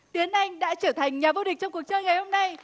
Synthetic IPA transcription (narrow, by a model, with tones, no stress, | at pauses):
t̪i˨˦ənʔa˧jŋ̟ɗa̰ː˧˥t͡ɕəː˧˩t̪ʰa˨˩jŋ̟ɲaː˨˩vo˧ɗi̟˨˩t͡ɕɔ˧wŋ͡mku˨˩ək̚t͡ɕəː˧jŋa˨˩jho˧mna˧j